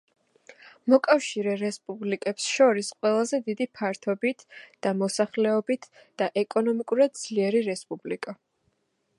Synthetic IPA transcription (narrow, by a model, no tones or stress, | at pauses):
mɔkʼafʃiɾɛɾɛspʼublikʼɛpsʃɔɾisqʼwɛlˠazɛd̪id̪ipʰaɾt̪ʰɔbit̪ʰd̪̥amɔsaχlɛɔbit̪ʰ | d̪̥aʔɛkʼɔnɔmikʼuɾad̪̚d̪zliɛɾiɾɛspʼublikʼa